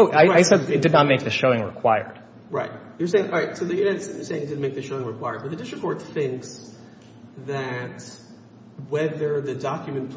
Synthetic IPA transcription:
oʊʔaɪaɪsɛdɨt̚d̥ɨdⁿnət̚meɪk̚ðɨʃoʊɪ̃ŋɹɪ̰kʰw̥aɪə̰˞d̥ | ɹaɪt̚ | jə˞seɪɪ̃ŋʔɹaɪtsoʊðɨjɨɨ̃sseɪ̃ŋt̚dɪdⁿn̩meɪk̚ðɨsʃoʊɪ̃ŋɹɨkʰw̥aɪə˞d̚bʌt̪̚ðɨdɪst͡ʃɹɨkʰɔɹt̪θɪ̃ŋks | ðɨt̚ | wɛðə˞ðɨdɑkjɨmɨ̃npʰ

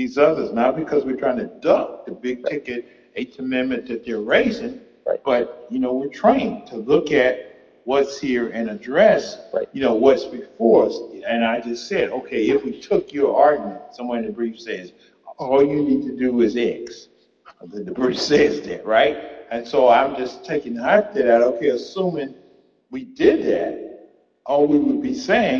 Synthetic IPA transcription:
ðizʌðə˞znət̚b̥ɨkʰʌzwɨɹtʰɹ̥aɪɪ̃ŋtʰɨdʌk̚ðɨbɪɡ̚tʰɪkɨɾ | ɨtʰɨmɛ̃n̚mɨ̃nðɨt̪̚ðə˞ɹeɪzɪ̃ŋ | b̥ʌt̚jɨnoʊwɪɹtʰɹ̥aɪɪ̃ŋtʰəlʊkɨt̚ | wʌtshiɹɨ̃nɨdɹɛsjɨnoʊwʌtsb̥ɨfɔɹʌsɨ̃naɪd͡ʒʌstsɛɾoʊkʰeɪɪfwitʰʊkjə˞ʔɑɹɡnɨ̃nsʌ̃mwʌ̃nðɨt̚bɹifsɛz̥ | ɔlˠjɨnid̚tʰɨdɨɪzɛks | ðɨ̃nðɨbɹifsɛzðɨ̰ʔ̚ɹaɪt̚ɨ̃nsoʊãɪ̃md͡ʒʌstʰeɪkɪ̃ŋhaɪf̚tɨɾæɾoʊkʰeɪɨsũmɪ̃ŋ | widɪd̪̚ðæ̰t̚ | ʔɔwiwəd̚biseɪɪ̃

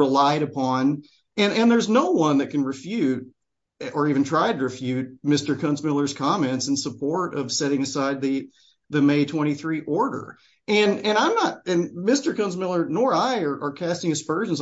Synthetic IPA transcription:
ɹəlaɪɾɨpʰɑ̃n | ɨ̃nɨ̃nðə˞znoʊwʌ̃nðɨt̚kʰɨ̃n̩ɹɨfjʉɾ | ə˞iṽn̩tʰɹ̥aɪɾɨɹɨfjʉt̚mɪstə˞kʰʌ̃nzmɪlˠə˞z̥kʰɑmɛ̃ntsɨ̃n̩səpʰɔɹɾʌv̥sɛɾɪ̃ŋɨsaɪd̪̚ðɨ | ðɨmeɪtʰw̥ɛ̃ɾ̃iθɹiʔɔɹɾə̰˞ | ɨ̃nɨ̃ñãɪ̃mnət̚ɨ̃nmɪstə˞kʰʌ̃nzmɪlˠə˞nɔɹaɪə˞ʔə˞kʰæstɪ̃ŋɨspɜ˞ʒ̃nz

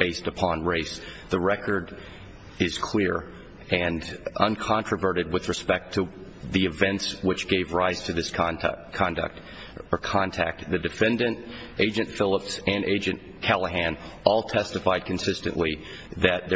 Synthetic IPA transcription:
b̥eɪstɨpʰɑ̃nɹeɪsðəɹɛkʰə˞ɾ | ɪz̥kʰl̥ɪɹ | ɨ̃nʔʌ̃nkʰɑ̃nt͡ʃɹ̥əvɜ˞ɾɨd̚wɨðɹɨspɛk̚tʰɨ | ðiɨvɛ̃ntswɨt͡ʃɡ̥eɪvɹaɪz̥tʰɨðɪsʰkʰɑ̃ndɨ̰k̚t | ə˞kʰɑ̃ntʰæ̰k̚t̪̚ðɨdɨfɛ̃ndɨ̃nt | ʔeɪd͡ʒɨ̃ntfɪlˠəpsɨ̃neɪd͡ʒɨ̃n | kʰælˠəɦæ̃nɔlˠtʰɛstɨfaɪd̚kʰɨ̃n̩sɪstɨ̰̃nʔli | ðɨt̪̚ðə

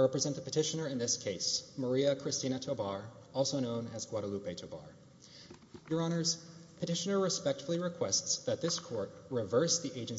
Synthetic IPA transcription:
ɹɛpɹɨzɛ̃ntəpɨtʰɪʃɨnə˞ɨ̃nðɪskʰeɪsmə˞iɨkʰɹ̥ɨstĩñɨtʰoʊbɑɹ | ɔlˠsoʊnõʊ̃nɨz̥ɡwɑɾəlupeɪtʰoʊbɑ̰ɹ | jə˞ɑñə˞z̥pʰɨtɪʃɨnə˞ɹɨspɛk̚tfl̩ˠiɹɨkʰw̥ɛstsðɨt̪̚ðɪskʰɔɹt̚ɹɨvɜ˞sðiʔeɪd͡ʒɨ̃n

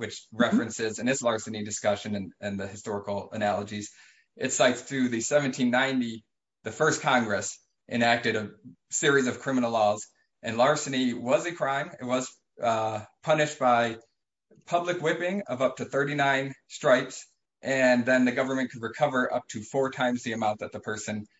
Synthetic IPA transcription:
wɨt͡ʃɹɛfɹɨ̃nsɪzɨ̃nɨslɑɹsɨnidɨskʌʃɨ̃nɨ̃nɨ̃nðɨɨstɔɹəkl̩ˠənælˠəd͡ʒiz̥ | ʔɨtsaɪtsθɹʉðɨsɛvɨ̃n̩tʰĩnːãɪ̃ndi | ðɨfɜ˞skʰɑ̃ŋɡɹɨs | ʔɨ̰̃næk̚tɨɾɨ | sɪɹizʌv̥kʰɹ̥ɪ̃mənl̩ˠlɔz | ʔɨ̃nlɑɹsɨniwʌzɨkʰɹ̥ãɪ̃mɪt̚wʌz̥ | pʰʌnɨʃt̚b̥aɪ | pʰʌblɨkwɪpɪ̃ŋʌvʌp̚tɨθɜ˞ɾinãɪ̃nstɹ̥aɪps | ʔɨ̃nðɨ̃nðɨɡʌvə˞mɨ̃nkʰɨd̚ɹɨkʰʌvə˞ʔʌ̰p̚tʰɨfɔɹtʰãɪ̃mzðiɨmãʊ̃nðɨt̪̚ðəpʰɜ˞sɨ̃n

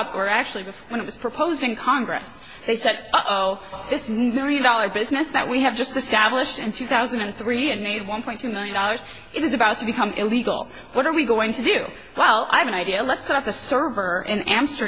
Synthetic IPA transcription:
ə˞æk̚t͡ʃʉl̩ˠibɨwə̃nɨt̚wʌz̥pʰɹ̥ɨpʰoʊzdɨ̃nkʰɑ̃ŋɡɹɨ̰s | ðeɪsɛɾoʔoʊðɪsmɪlˠjɨ̃ndɔlˠə˞bɪznɨsðɨ̰ʔ̚wʔiɨvd͡ʒʌstɨstæblɪʃtɨ̃ntʰʉθaʊzɨ̃n̩dɨ̃nθɹiɨ̃nmeɪd̚wʌ̃npʰɔ̃ɪ̃ntʰʉmɪlˠjɨ̃ndɔlˠə˞z̥ | ʔɨɾɨzɨbaʊtʰɨbɨkʰʌ̃mɪ̰liɡl̩ˠ | wʌɾə˞wiɡoʊɪ̃ŋtʰɨdʉ | wɛlˠa̰ɪɨvɨ̃naɪdiələtsɛɾʌpɨsɜ˞və˞ɪ̰̃næ̃mstə˞

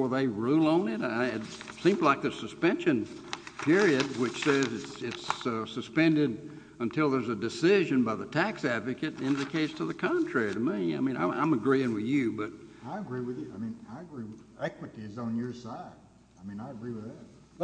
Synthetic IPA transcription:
ə˞ðeɪɹulˠn̩ɪɾaɪɨt | sĩmlaɪk̚ðɨsɨspɛ̃nʃɨ̃n | pʰɪɹiɨd̚wɨt͡ʃsɛzɨtsɪtssɨspɛ̃ndɪɾ | ə̃ntʰɪlˠðə˞zɨdɨsɪʒɨ̃nbaɪðətʰæksædvɨkɨɾɪ̃nðɨkʰeɪstʰəðɨkʰɑ̃ntʰɹ̥ɛɹiɾɪmia̰ɪmĩnã̰ɪʔã̰ɪ̃mɨɡɹiɪ̃ŋwɨðjʉbʌt̚aɪɨɡɹiwɨðjɨaɪmĩnaɪɨɡɹiw | ɛkwɨɾizn̩jə˞saɪd̥̚ | aɪmĩnaɪɨɡɹiwɨðæt̚

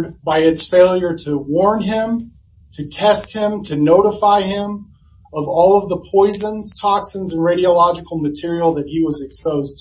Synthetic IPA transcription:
dbaɪɨtsfeɪlˠjə˞ɾɨwɔɹnɪ̃m | tʰɨtʰɛst̚hɪ̃mtʰɨnoʊɾəfaɪɪ̃m | ʌvɔlˠʌvðəpʰɔɪzə̃nz̥tʰɑksə̃nzɨ̃nɹeɪɾiəlɑd͡ʒɨkl̩ˠmɨtʰɪɹil̩ˠðɨt̚hiwʌzɨkspoʊztʰ

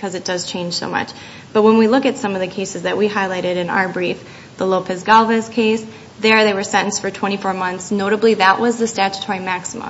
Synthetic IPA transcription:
kʰʌzɨt̚d̥ʌz̥t͡ʃʰẽɪ̃n̥ʒ̥soʊmʌ̰t͡ʃ | b̥ʌt̚wə̃nwilʊkɨtsʌ̃mʌvðɨkʰeɪsɨzðɨʔ̚wiɦaɪlaɪɾɨɾɨ̃na̰ʊə˞bɹif | ðəloʊpʰɨzɡɑlˠvɨz̥kʰeɪs | ðə˞ðeɪwə˞sɛ̃ɾ̃n̩stfə˞tʰw̥ɛ̃ɾ̃ifɔɹmʌ̃nθsnoʊɾəbliðəʔwʌzðɨstæt͡ʃɨ̥tʰɔɹimæksəmə̰̃

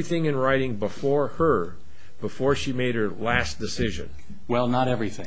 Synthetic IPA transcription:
iθɪ̃ŋɨ̃nɹaɪɾɪ̃ŋbəfɔɹə˞ | bəfɔɹʃimeɪɾ̚ə˞læsd̥ɨsɪʒɨ̰̃n | wɛlˠnəɾɛvɹiθɪ̰̃

